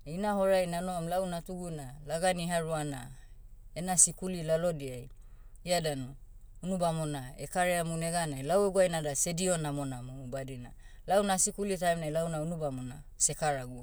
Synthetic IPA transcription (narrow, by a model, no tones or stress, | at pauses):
inaɦo̞ɾajnanoamlawnatuɡunalaɡaniɦaɾuana̰ | enasikulilalodiaj | iadanu | unubamonaekaɾeamuneɡanajlaweɡuajnadasedionamonamubadina̰ | lawnasikulitajmnajlawnaunubamona̰ | se̞kaɾaɡu